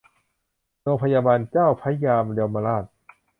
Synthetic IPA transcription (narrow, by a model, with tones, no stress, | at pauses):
ɾoː˧ŋpʰa˧jaː˧baː˧nt͡ɕaː˥˩wpʰa˦˥˦jaː˧mle˧əwma˧laː˥˩t̪̚